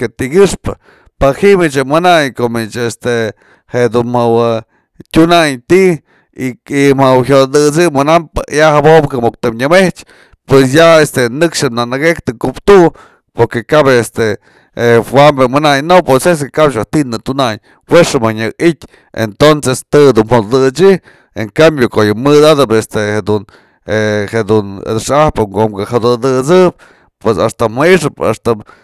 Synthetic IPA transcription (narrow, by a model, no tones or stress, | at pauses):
ket̪iɡɨʂpɨ̰ | pahimit͡ʃemɨnajkomit͡ʃest̪e | heʔd̪unmawa | tʲunajt̪i | imawɦʲjod̪ɨt͡sɨmɨnampɨjahabobkamok̚t̪ɨmɲɨmeht͡ʃ | pwesjaest̪enɨkʂɨnanaɡek̚t̪ɨkupt̪u | poɾkekabest̪e | hwambemɨnajnoposes̬kekapʃ̬aht̪inɨt̪unaj | weʂɨmaɲɨk̚it̪ʲ | ḛnt̪onsest̪ɨd̪unhod̪d̪ɨt͡ʃi | ḛŋkambjokojɨmɨd̪ad̪ɨpest̪ehed̪un | ehed̪un̰d̪ɨʂahpɨŋkomkahad̪ɨd̪ɨt͡sɨp̚ | pwesast̪amɨiʂɨpa̰st̪a